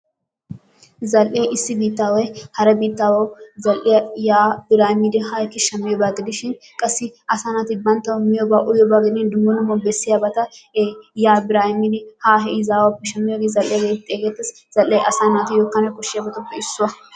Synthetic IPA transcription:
zɐlʔeʔɪsːɪbiːt̪ːaːwɔjhɐɾɛbiːt̪ːaːwɐwzɐlʔɪjɐjaːbɪɾaːhɪmɪd̪ɪhaːkːɪʃɐmːɪjɔbaɡɪd̪ɪʃɪn | kʼɐsːɪʔɐsaːnat̪ɪbɐnt̪ːɐwmɪjɔbaʔʊjɔbaɡɪd̪ɪnd̪ʊmːɔnʊmɔbɛsːɪjabɐt̪ɐejaːbɪɾaːhɪmːɪd̪ɪhaːɦɛɪzaːwɐpːɛʃɐmːɪjɔɡɪzɐlʔːɛjɐɡeːt̪ʼːeːɡet̪ːɪs | z̥ɐlʔɛʔɐsaːnaːt̪ɪjɔkːɐnɛkɔʃːɪjabɐt̪ʊpːɛɪsːʊwɐ

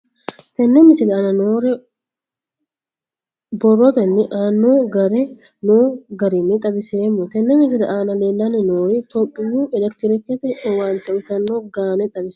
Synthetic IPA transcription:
t̪ɛnːɛmɪsɪlɛaːnɐnoːɾɛ | bɔrːɔt̪ɛnːɪʔaːnːoɡɐɾɛ | noːɡɐɾɪnːɪt̪ʼɐbɪseːmːʊt̪ɛnːɛmɪsɪlɛʔaːnɐleːlːɐnɪnoːɾɪt̪ɔpʼːɪjuːɛlɛkt̪ɪɾɪkːɛt̪ɛwaːnt̪ɐʊt̪ɐnːoɡaːnɛt̪ʼɐbɪs

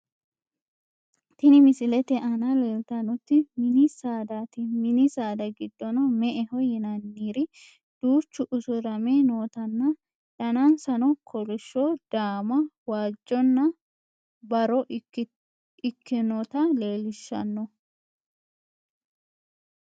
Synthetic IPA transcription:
t̪ɪnɪmɪsɪlɛt̪ɛʔɐnaleːlt̪ɐnɔt̪ːɪmɪnisaːd̪aːt̪ɪmɪnisaːd̪ɐɡɪd̪ːɔnɐmɛʔɛhɔjɛnɐnːiːɾɪ | d̪̥uːt͡ʃːʊʔʊsʊɾɐmenoːt̪ɐnːɐ | d̪ɐnansɐnɔkʰɔlʊʃːoːd̪̥aːmɐwaːd͡ʒːɔnːɐ | bɐɾɔ | ɪkːɪnɔt̪ɐle̞ːlɪʃːɐ̰nːɔ

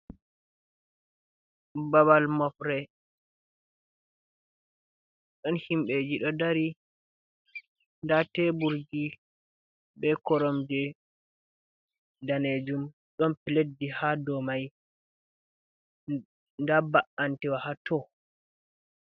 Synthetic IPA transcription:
baβalmɔfɾɛ | ɗɔnhimɓɛd͡ʒiɗɔdaɾi | ndatɛbuɾd͡ʒi | bɛkɔɾɔmd͡ʒɛ | daned͡ʒum | ɗɔnpiledːihadɔmaj | ndabaʔantɛwahatɔ

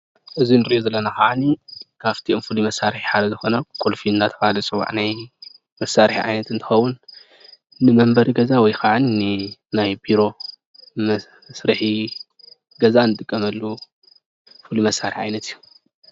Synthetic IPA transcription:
ʔɨzinɨɾiʔozɐlːɐnaxaʕanikʰaft̪ʰiʔomfɨlimɐsːaɾħiħad̪ɐzɨxo̞nɐkʼolfiɨnzat̪ʰɐfahalɐsʼɨwa̰ʕnaj | mɐsːaɾħiʕa̰jnɐt̪ɨnt̪ʰɨ̥xɐwːunː | ɨmɐmbɐɾiɡɐzawɔjkʰaʕaninɨnajbiɾo̞ | m | sɾɨħi | ɡɐzanːɨt̪ʼɨkʼːɐmɐlːu | fɨlimɐsːaɾħiʕa̰jnɐt̪ijːu

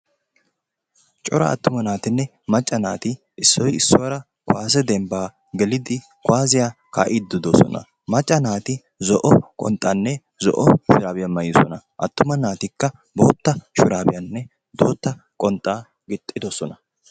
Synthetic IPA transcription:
t͡ʃʼɔɾɐ̰ɐ̰t̪ːʊmɐnaːt̪ɪnːɛ | mɐt͡ʃʼːɐna̰ːt̪ɪ | ɪsːɔjɪsːɔwɐɾɐ | kwaːs̬ɛd̪ɛmbaː | ɡɛlɪd̪ɪ | kwaːzɪjaː | ka̰ːʔɪd̪ɪd̪ɔsɔ̰nɐ̰ | mɐt͡ʃʼːɐnaːt̪ɪ | zɔʔɔkʼɔ̰nt̪ʼːanːɛ | zɔ̰ʔɔʃʊɾaːbɪjɐmɐjɪsɔnɐʔɐt̪ːʊmɐnaːt̪ɪkːɐ | bo̞̰ːt̪ːɐʃʊɾaːbɪjɐnːɛ | d̪̥o̞̰ːt̪ːɐ | kʼɔnt̪ʼːaː | ɡɪt̪ʼːɪd̪ɔsɔnɐ

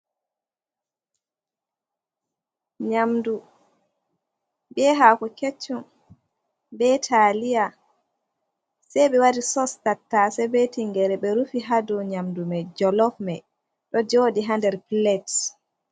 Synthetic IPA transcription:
ɲamdu | bɛɦaːkɔket͡ʃːum | bɛtʰalija | sɛjɓɛwaɾisɔstatːasɛbetiŋɡɛɾɛɓɛɾufiɦaduɲamdumɛd͡ʒɔlɔfmɛ | ɗɔd͡ʒoːdiɦandɛɾplɛt

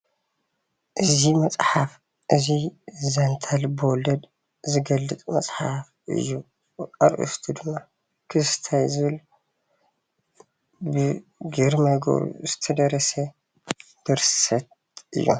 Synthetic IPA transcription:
ʔɨzimɐt͡sʼħaf | ʔɨzizɐnt̪ʰalbɨwɔlɐd̪ | zɨɡɐlːɨt̪ʼmɐsʼħaf | ʔɨ̰jːu | aɾʔɨ̰st̪ʰud̪ɨmːa | kʰɨst̪ʰajzɨβɨl | bɨɡɨɾmaɡo̰ɾṵzɨt̪ʰɐd̪ɐɾɐsɐ | b̪̥ɨɾsɐt̪̚ | ʔɨ̰jːṵ

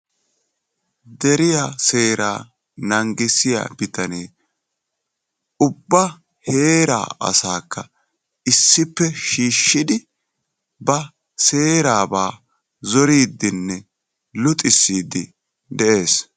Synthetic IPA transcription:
d̪ɛɾɪjase̞ːɾaː | nɐŋɡɪsɪja̰b̥ɪt̪ɐneː | ʊbːɐ | he̞ːɾa̰ːʔɐ̰saːkʰːɐ | ɪsːɪpːɛʃiːʃːɪd̪ɪ | bɐ | se̞ːɾaːbaː | zɔɾiːd̪ːɪnːɛ | lʊt̪ʼːɪsːiːd̪ːɪ | d̪ɛʔe̞ːs

